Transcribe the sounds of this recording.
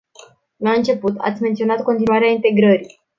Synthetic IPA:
laɨnt͡ʃe̞put̪ʰa̰t̪sʲme̞nt̪sio̞nat̪̚ko̞nt̪inuaɾeaint̪e̞ɡɾəɾi

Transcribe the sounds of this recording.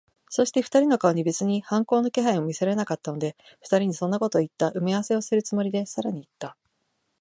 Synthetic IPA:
so̞ɕi̥t̪e̞ɸɯ̥t̪aɾʲino̞kao̞ɲ̟ibe̞t͡sɨɲ̟ihãŋko̞ːno̞ke̞ɦaĩo̞mʲiseɾe̞nakat̪ːano̞d̪e̞ | ɸɯ̥t̪aɾʲiɲ̟isõ̞nːako̞t̪o̞ːit̪ːaʔɯ̟mʲiaβase̞o̞sɨɾɯ̟t͡sɨmo̞ɾʲid̪e̞saɾaɲ̟iːt̪ːa

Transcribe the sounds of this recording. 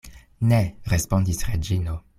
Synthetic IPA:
neɾespõndisʁed͡ʒino

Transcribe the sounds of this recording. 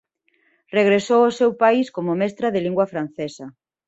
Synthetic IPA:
reɣ̞ɾesowosewpajiskomʊmɛst̪ɾɐðɪliŋɡwɐfɾan̟θesɐ

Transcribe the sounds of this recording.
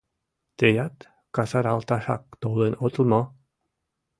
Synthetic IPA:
t̪ejat̪ | kasaɾalt̪aʃa̰kt̪owlenot̪lmɔ

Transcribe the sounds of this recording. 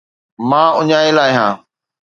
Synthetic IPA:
mãːʊɲaːelaːɪɦãː

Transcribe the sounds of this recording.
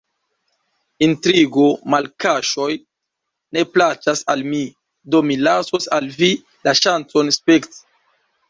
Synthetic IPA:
intɾiɡo̞malkaʃo̞j | ne̞plat͡ʃasalmi | do̞milaso̞salvi | laʃant͡so̞nspekti̥

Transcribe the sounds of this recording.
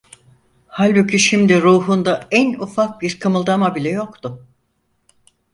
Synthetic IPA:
halʲbucʰiʃimd̪iɾuːɦund̪aænufak̚biɾkʰamɯlˠd̪amabilʲɛjo̞kt̪ʊ

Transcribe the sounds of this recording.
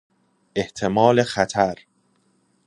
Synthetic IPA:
ʔe̞ht̪ʰe̞mɒːle̞xæt̪ʰæɾ

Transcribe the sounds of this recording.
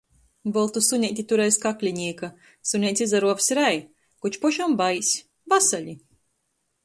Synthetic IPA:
bɔlˠt̪usuɲʲɛjt̪ʲit̪uɾɛjskaklʲiɲʲiɛka | sunʲɛjt̪sʲizaɾuɔvsʲɾæj | kut͡ʃpɔʃumbajsʲ | vasaʎʲi

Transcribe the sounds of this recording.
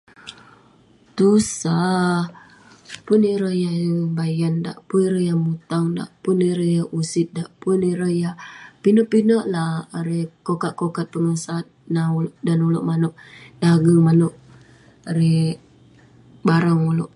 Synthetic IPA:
t̪usa | pʊniɾəhjabajanda̰ʔpʊniɾəhjamut̪aŋda̰ʔpʊniɾəhjausɪt̪̚daʔpʊniɾəjapinoʔpinəʔlahːɾekokatʔ̚kokat̪̚pəŋəsat̪̚nauloʔdanuloʔmanʊʔdaɡəŋmanʊʔ | aɾe | baɾaŋuloʔ

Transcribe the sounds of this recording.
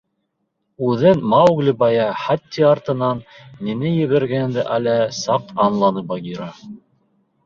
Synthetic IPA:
ʉðɘnmɑwɡlʲɘbɑjɑχɑt̪ʲːiɑrt̪ɤ̆nɑnːinɘjɘ̆βæɾɡænd̪ɘʔælæsɑqɑnlˠɑnɤbɑɡiɾɑ

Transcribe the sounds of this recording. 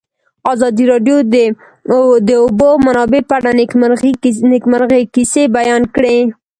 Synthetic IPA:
ɑzɑd̪iɾɑɖjod̪ | d̪əʊbomanɑbepaaɽa | nɪkmaɾɣekisebajɑnkɽe

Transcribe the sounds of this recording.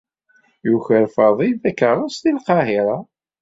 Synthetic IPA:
juçəɾfəðˤiðækːəʁˤəst̪ilqɑhiɾˤɑ

